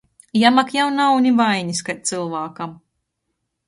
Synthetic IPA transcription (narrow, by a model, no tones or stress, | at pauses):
jamakjawnawnʲivajɲʲiskat̪̚ʲt̪sɨlˠvaːkam